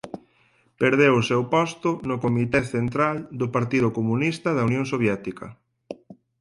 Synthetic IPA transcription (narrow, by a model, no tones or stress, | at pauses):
peɾðewʊsewpɔst̪ʊnʊkomit̪ɛθent̪ɾald̪ʊpaɾt̪iðʊkomunist̪ɐðɐunjõŋsoβjɛt̪ikɐ̰